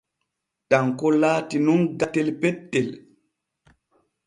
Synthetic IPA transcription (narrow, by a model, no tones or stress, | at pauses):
taŋkɔlaːtinunɡatelpɛttːel